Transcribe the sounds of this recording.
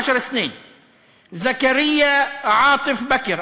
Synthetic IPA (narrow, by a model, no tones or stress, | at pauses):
aʃɑɾˤsneːn | zakaɾɪjːaʕɑːt̪ˤɨfbakɾ